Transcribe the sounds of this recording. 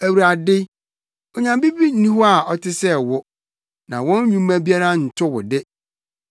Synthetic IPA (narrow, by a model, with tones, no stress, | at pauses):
æ˨wu˨ɾa˨dɪ˦ | ɔ˨ɲã˨mbi˦bi˦nĩ˦ɦɔ˦a˨ɔ˨tʰɪ˦sɛ˦wʊ˦ | nã̰˨wɔ̃˦n˦ɲũ˦mːã˦bi˦a˦ɾã˦˨n̩˨tʰʊ˦wʊ̰˨dɪ˦